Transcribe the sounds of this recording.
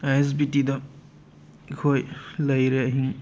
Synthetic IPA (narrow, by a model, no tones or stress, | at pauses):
ajs̬bitid̪ɔ | kʰojlʌjɾeɐɦiŋ